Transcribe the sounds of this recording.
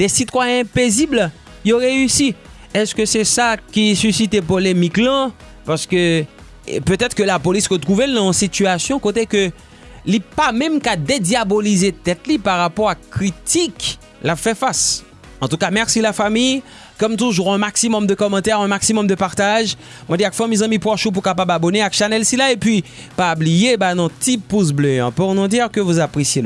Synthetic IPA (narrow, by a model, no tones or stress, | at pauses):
d̪ɛsit̪wajɛ̃pezibl | jɔʁeysi | ɛskəsɛsakʲisysit̪ep̬olemiklɑ̃ | paʁsə̥kø | pøt̪ɛt̪χkəlapolisʁət̪χuvelnɑ̃ɔsit̪yasjɔ̃kot̪ekə | lipamɛ̃mkad̪ed̪jabolizet̪ɛt̪lipaʁapɔʁakχit̪ik | lafɛfas | ɑ̃t̪ukamɛʁsilafamij | kɔmt̪uʒuʁɛ̃maksimɔmd̪əkɔmɑ̃t̪ɛʁɛ̃maksimɔmd̪əpaʁt̪aʒ | mwɔ̃d̪iakfɔ̃mizɑ̃mipwɔʃup̬uʁkapababɔneakʃanɛlsilaepɥi | pablijebanɔ̃t̪ipus̬bløɛ̃puʁnɔ̃d̪iʁkəvuzapχesje